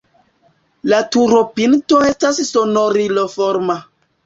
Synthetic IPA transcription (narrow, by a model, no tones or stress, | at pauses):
latuɾopintoestassonoɾilofoɾma